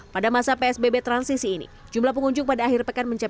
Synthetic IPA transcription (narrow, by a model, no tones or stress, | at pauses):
padamasapeɛsbebet̪ɾansisiːnḭd͡ʒumlahpəŋuɲd͡ʒʊŋpadaːɦɪrpəkanməɲt͡ʃa